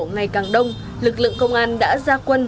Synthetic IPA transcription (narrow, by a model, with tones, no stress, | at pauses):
ŋa˨˩jkaː˨˩ŋɗə˧wŋ͡m | lɨ˨˩k̚lɨ̰˧˨əŋkə˧wŋ͡mʔaː˧nɗa̰ː˧˥zaː˧kwə˧n